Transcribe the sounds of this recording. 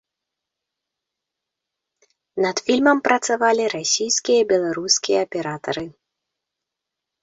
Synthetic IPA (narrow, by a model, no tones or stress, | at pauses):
nɐd̪fʲilʲmɐmpɾɐt̪savalʲiɾasʲijskʲijɐbʲɛlˠaɾuskʲijɐːpʲɛɾat̪ɐɾɨ